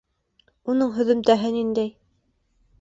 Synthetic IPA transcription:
unɤɴɦɵ̆ðɘ̆mt̪æɦɘnind̪æj

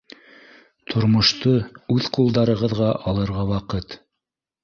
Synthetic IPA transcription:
t̪ʰŏɾmŏʃt̪oʉðqulˠd̪ɑɾɤ̆ʁɤ̆ðʁɑʔɑlˠɤ̆ɾʁɑwɑqɤt̪

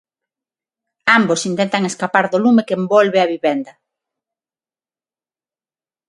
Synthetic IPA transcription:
ambosint̪ɛnt̪ɐŋeskapaɾðolumekembɔlβeaβiβɛnd̪ɐ

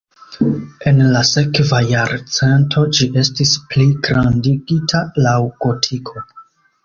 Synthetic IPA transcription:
e̞nlase̞kvajaɾt͡se̞ntʰo̞d͡ʒiʔe̞stispliɡɾandiɡitʰalawɡ̥o̞tʰikʰo̞

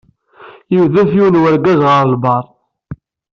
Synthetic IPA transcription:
jiwðæθjuwnwæɾɡæzʁəɾˤəlbɑɾˤ

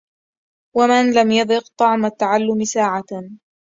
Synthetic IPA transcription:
wamɪnlamjɑd̪ɨqt̪ˤɑʕmat̪ːaʕalːʊmɪsaːʕa

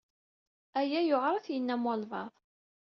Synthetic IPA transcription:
æjæjoʁɾˤɑθjənːæmolvɑ̰ðˤ

